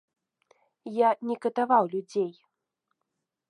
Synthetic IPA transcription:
janʲɛkɐt̪avawlʲud͡zʲej

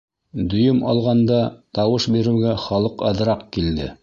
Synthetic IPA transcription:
d̪ɵ̆jɵmɑ̰lˠʁɑnd̪ɑt̪ɑwɤʃbiɾɘ̆wɡæχɑlˠɤqɑðɾɑq̚kild̪ɘ̰

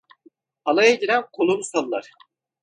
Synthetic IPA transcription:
alˠajaɟiɾænkʰolˠomsalˠːa̰ɾ̥

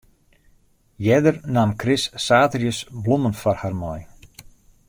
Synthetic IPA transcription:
jɛdərnamkʰrɪsːaːtərjəsblumənfɔrharmɔj

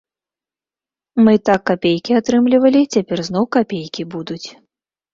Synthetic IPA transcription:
mɨt̪akːapʲejkʲiat̪ɾɨmlʲivɐlʲit͡sʲapʲɛrzn̪ɔwkapʲejkʲibud̪ut͡sʲ

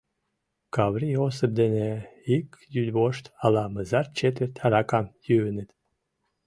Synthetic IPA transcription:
kɑβɾiosəp̚d̪eneikjyd̪βoʃt̪ɑlɑməzɑrt͡ɕet̪vərt̪ʰɑɾɑkɑmjyənət̪

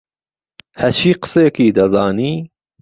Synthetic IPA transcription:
hæɾt͡ʃʰiːqə̥sejkiːd̪ɐzɑːniː

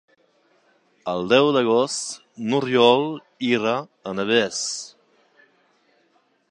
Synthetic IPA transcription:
əlˠd̪ɛwd̪əɣɔst̪ | nurjɔlˠ | iɾaənəβɛs

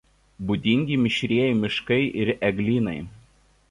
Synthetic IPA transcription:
bʊd̪ʲɪŋʲɡʲimʲɪʃʲɾʲiɛjɛmʲɪʃkɐɪʔɪɾɛɡlʲiːnɐɪ

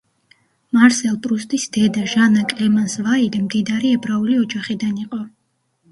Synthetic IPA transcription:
maɾsɛlˠpʼɾust̪ʼisd̪ɛd̪aʒanakʼlɛmansvailɛmd̪id̪aɾiɛbɾauliɔd͡ʒaχid̪aniqʼɔ

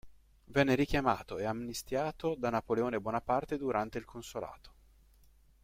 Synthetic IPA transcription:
vɛnːeɾik̟jama̰ːt̪oeamnist̪jaːt̪od̪anapoleoːnebwɔːnapart̪ed̪uɾant̪eilkʰonsola̰ːt̪o̥

